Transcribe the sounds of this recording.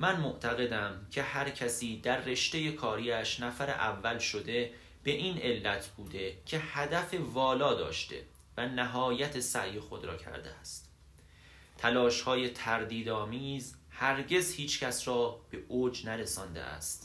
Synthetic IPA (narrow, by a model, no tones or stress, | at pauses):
mænmoʔt̪ʰæɣe̞d̪æmcʲʰe̞hæɾcʰæsiːd̪æɾːe̞ʃt̪e̞je̞kʰɒːɾiːæʃnæfæɾḛʔævːælʃo̞d̪e̞ | b̥e̞ʔiːnʔe̞lːæt̪ʰbuːd̪e̞cʰehæd̪æfe̞vɒːlɒːd̪ɒ̰ːʃt̪e̞̰ | vænæɦɒːjæt̪ʰe̞sæ̰ʔje̞xo̞d̪ɾɒ̰ːcʰæ̰ɾd̪ḛæst̪ | t̪ʰælɒːʃhɒːje̞t̪ʰæɾd̪iːd̪ɒːmiːzhæɾɟe̞zhiːt͡ʃʰcʰæsɾɒːb̥e̞ʔoːd͡ʒnæɾesɒːnd̪ḛʔæ̰st̪